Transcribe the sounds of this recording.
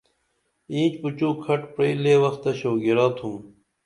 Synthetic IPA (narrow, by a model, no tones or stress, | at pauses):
ĩːt͡ɕput͡ɕuːkʰɐʈpɾeileːwɐxt̪ɐɕoːɡiɾaːt̪ʰum